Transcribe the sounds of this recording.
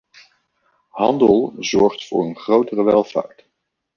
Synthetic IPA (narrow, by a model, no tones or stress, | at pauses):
ɦɑndəlˠzɔɹχtfʊ̰ːɹənχrowtərəʋɛlˠv̥a̰ːɹt